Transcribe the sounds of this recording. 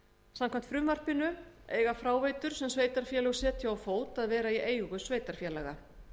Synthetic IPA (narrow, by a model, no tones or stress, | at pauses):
samkʰam̥n̥t̪fɾʏmvar̥pɪnʏḛːjɣafɾaːwveːjt̪ʏɾ̥sɛmsveːjt̪aɾ̥fjɛlɛɣsɛːt̪ʰjawawfoːwt̪aðvɛːɾaiʔeːjɣʏsveːjt̪aɾ̥fjɛːlɛɣa̰